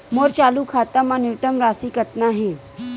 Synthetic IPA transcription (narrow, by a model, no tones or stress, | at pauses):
moɾt͡ɕaluːkʰat̪əmaniʋt̪əmɾasiːkət̪naɦẽ